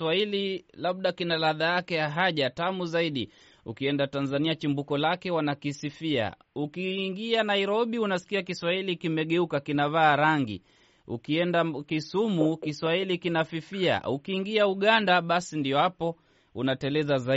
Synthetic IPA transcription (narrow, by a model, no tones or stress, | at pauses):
waililaɓ̚ɗakinalaðajakɛjaɦaʄatamuzaiɗḭ | ukiɛndatanzaniat͡ʃimbukɔlakɛwanakisifia̰ | ukiːŋɡianaiɾɔɓiunasi̥kiakiswahilikimɛɠɛukakinavaːɾaŋɡḭ | ṵkiɛndakisumukiswahilikinafifia̰ukiːŋɡiauɠandaɓasindiɔhapɔ | ṵnatɛlɛzaza